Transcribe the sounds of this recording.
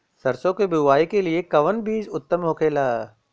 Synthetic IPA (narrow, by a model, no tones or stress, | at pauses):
sɐɾsõkebɪaːikeliekɐʋənbiːd͡ʒʊt̪ːəmɦoːkeːlaː